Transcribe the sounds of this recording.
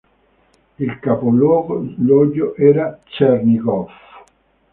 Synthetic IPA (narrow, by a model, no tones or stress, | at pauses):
ilkapolwɔːɡolɔɟːoʔɛːɾat͡ʃɛrniɡɔf